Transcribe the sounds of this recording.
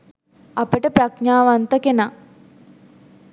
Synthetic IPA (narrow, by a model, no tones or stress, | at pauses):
apəʈəpɾakɲaːʋant̪əkena